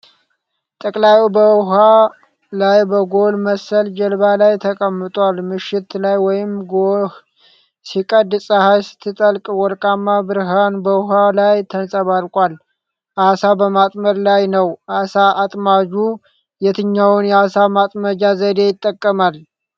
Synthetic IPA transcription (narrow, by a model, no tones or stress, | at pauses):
t̪ʼəkʼlajubəwɦa | lajbəɡolməsəld͡ʒəlbalajt̪ʰəkʼəmːɨt̪ʼwalmɨʃːɪt̪lajwɔjɪmɡo | sikʼəd̪sʼəhajsɨ̥t̪ʰːɨt̪ʼəlkʼwɔɾkʼamːabɨɾɦanbəwɦalajt̪ʰənsʼəβaɾkʼwal | ʔasabəmat̪ʼməɾlajnəwʔasaat̪ʼmad͡ʒu | jɛt̪ʰɨɲːawʊnjɛasamat̪ʼməd͡ʒazəd̪e̞jɪt̪ʼːəkʼːəmal